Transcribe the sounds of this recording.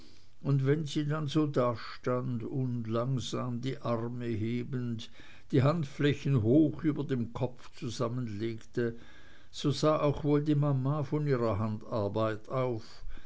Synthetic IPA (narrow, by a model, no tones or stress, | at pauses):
ʔʊndvɛnziːdanzoːdaːʃtandʊndlaŋzaːmdiːʔaʁməɦeːbənt | d̥iːɦantflɛçən̩ɦoːxyːbɐdemkʰɔp͡ft͡suzamənleːktə | z̥ozaːʔaʊxvoːldiːmamaːfɔniːʁɐɦantaɐbaɪtaʊf